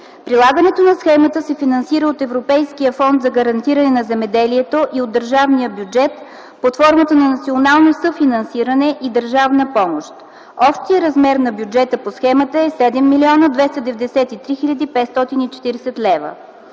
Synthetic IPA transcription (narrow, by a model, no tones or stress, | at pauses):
pɾilˠaɡənɛt̪onɐsxɛmət̪əsɛfinɐnsiɾəot̪ɛvɾopɛjsk̟iəfɔnd̪zɐɡɐɾɐnt̪iɾənɛnɐzɛmɛd̪ɛliɛt̪oʔiod̪ːəɾʒavnijəbjud͡ʒɛt̪ | pot̪fɔɾmət̪ənɐnɐt̪sʲionalˠnosɤfinɐnsiɾɐnɛʔid̪əɾʒavnəpɔmoʃt̪ | ɔpʃt̪ijəɾɐzmɛɾnɐbjud͡ʒɛt̪əposxɛmət̪əɛsɛd̪ɛmːilʲiɔnəd̪vɛst̪əd̪ɛvɛd̪ɛsɛt̪it̪ɾixiʎʲɐd̪ipɛt̪st̪ɔt̪init͡ʃɛ̥t̪iɾɛsɛt̪lɛvə̰